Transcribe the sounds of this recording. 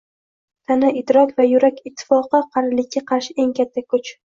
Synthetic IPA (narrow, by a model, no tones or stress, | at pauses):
t̪ʰanaɪd̪ɾɒkʲvajʊɾakʲɪt̪ʰːɪ̥fɒqɨqʰɑɾlɪkʲːaqʰɑɾʃɪe̞ŋkʲʰat̪ʰːakʰʊt͡ʃ